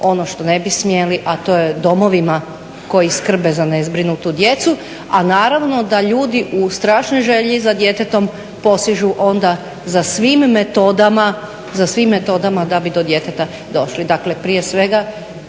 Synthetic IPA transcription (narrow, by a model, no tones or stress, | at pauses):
o̞noʃt̪o̞ne̞bismje̞liʔat̪o̞jed̪o̞mo̞ʋima | ko̞jiskr̩bezane̞zbɾinut̪ud̪je̞t̪su | anaːɾaʋno̞d̪aʎuːd̪iʔust̪ɾaːʃnojʒe̞ʎizad̪je̞t̪et̪o̞m | po̞siʒuʔo̞nd̪a | zasʋiːmːet̪o̞d̪ama | zasʋimːet̪o̞d̪amad̪abid̪o̞d̪je̞t̪et̪a | d̪o̞ʃlid̪akle̞pɾije̞sʋe̞ɡa